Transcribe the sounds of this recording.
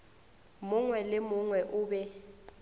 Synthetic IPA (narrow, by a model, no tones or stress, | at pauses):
mʊŋwɛlɪmʊŋwɛʔʊːbɛ